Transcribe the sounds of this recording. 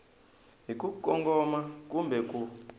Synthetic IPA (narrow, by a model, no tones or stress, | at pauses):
ɦik̬ʼukʼɔŋɡɔmak̬ʼumbɛkʼu